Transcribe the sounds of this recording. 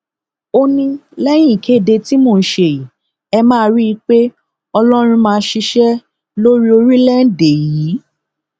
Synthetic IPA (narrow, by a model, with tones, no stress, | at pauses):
o˧nĩ˧lɛ˦j̃ĩ˦˨kʰe˨˦˨de˧ti˦moː˧˨n̩˦ʃe˧˨ji˨ | ɛ˧mãː˦˧˦ɾi˦i˦k͡pe˦ | ɔ˧lɔ˦ɾ̃ĩ˧mãː˧˦ʃi˧ʃɛ˦ | lo˦ɾi˦o˧ɾi˦la˦n̩˦˨de˨ji˨˦